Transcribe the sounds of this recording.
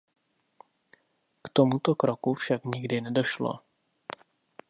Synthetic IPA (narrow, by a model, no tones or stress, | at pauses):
kt̪omut̪okɾokufʃakɲɪɡdɪnɛdo̞ʃlo̰